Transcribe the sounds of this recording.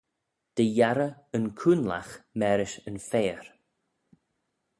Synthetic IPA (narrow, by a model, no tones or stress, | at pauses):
d̪̥əjaɾəənkʰuːnla̰xmɛɾɪʃənfeːɹ